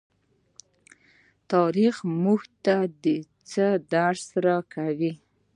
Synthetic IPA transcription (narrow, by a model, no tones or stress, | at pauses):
t̪ɑɾixmuxt̪ad̪ə | t͡səd̪aɾsaɾakawi